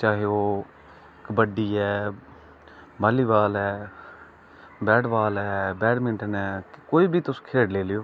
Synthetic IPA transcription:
t͡ʃaːɦeoː | ɪkbəɖiːɛː | baːliːʋaːlɛː | bɛːɖʋaːlɛːbɛːɖmɪ̃nʈənɛːkkoːiːbʱiːt̪ʊsːkʰeːɽleːlɪjoː

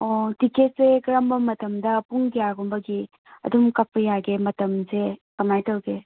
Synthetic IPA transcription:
ɔtiket̚zeɡɾambɐmɐtɐmdɐpuŋɡijaɡumbɐɡi | ɐ̰dumkap̚ʰɐjaɡemɐtɐmzekɐmajtɐwɡe

